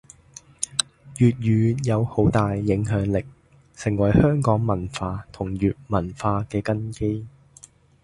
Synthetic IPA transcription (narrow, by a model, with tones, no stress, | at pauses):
jyː˨t̚jyː˨˧jɐ˨˧who˨˥wt̪aː˨jːɪ˨˧˥ŋɦœː˨˥ŋlɪ˨k̚ | sɪ˨˩ŋwɐ˨˩jhœː˥ŋkɔː˨˥ŋmɐ˨˩nfaː˧t̪ʰʊ˨˩ŋjyː˨t̚mɐ˨˩nfaː˧kɛː˧kɐ˥nke˥j